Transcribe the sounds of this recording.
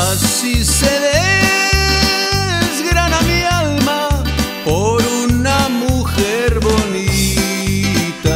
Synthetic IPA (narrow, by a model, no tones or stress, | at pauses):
s | iseðe | zɣɾanamialma | po̞ɾunamuxeɾβo̞ni | t̪a